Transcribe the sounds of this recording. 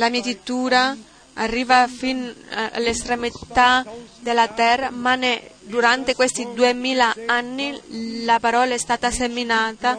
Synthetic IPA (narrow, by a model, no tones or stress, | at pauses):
lamiːat̪it̪ːuːɾaː | rːiːvafina̰lːest̪ɾemit̪ad̪elat̪ɛrːamaned̪uɾant̪ekwest̪id̪uemiːlaanːilapaɾɔːlaɛst̪aːt̪aseminaːt̪a